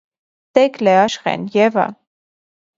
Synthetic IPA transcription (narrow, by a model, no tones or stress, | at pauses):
t̪ɛklɛɑʃχɛ̰njɛvə̰